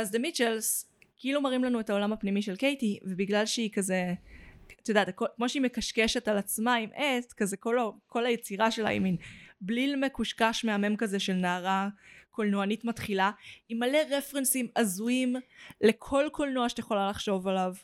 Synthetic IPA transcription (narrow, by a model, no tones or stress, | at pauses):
azd̪emit͡ʃels | keilumaʁimlanuetao̞lamapnimiʃe̞lke̞jtivebiɡlalʃeikaze | at̪od̪at̪akokmo̞ʃeimekaʃkeʃe̞talat͡smaimʔetkazekolako̞lajet͡siʁaʃela̰ḭminblilme̞kuʃkaʃmeame̞mkazeʃelnaːʁakʰolnoanitmatχilaimaleʁefʁensimazuimle̞kʰo̞lkolnoaʃe̥jeχo̞lalaχʃo̞valav